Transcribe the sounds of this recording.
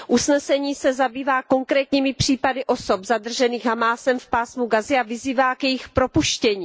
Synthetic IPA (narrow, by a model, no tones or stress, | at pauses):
ʔusnɛsɛɲiːsɛzabiːvaːko̞ŋkɾɛːt̪ɲiːmɪpr̝̥iːpadɪʔo̞so̞pzadr̩ʒɛniːɣɦamaːsɛmfpaːsmuɡazɪavɪziːvaːkjɛjɪxpɾo̞puʃcɛɲiː